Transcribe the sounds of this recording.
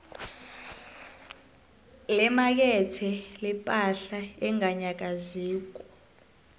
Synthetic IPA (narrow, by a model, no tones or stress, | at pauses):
lɛmak̬ɛtʰɛlɛpʼaɬaɛŋaɲak̬aziːk̬u̥